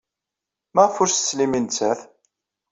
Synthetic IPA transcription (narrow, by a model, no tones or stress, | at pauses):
mæʁfʊɾsə̥slimint͡sːæθ